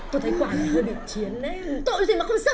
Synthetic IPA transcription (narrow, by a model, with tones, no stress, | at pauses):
t̪o˧˩t̪ʰə˨˦jkwaː˨˦ɲ˨˧˩hɨː˧jɓḭ˧˨t͡ɕi˨˦ənːɛ˦t̪o̰˧˨˧i˨˩ma˨˩xə˧wŋ͡msa˧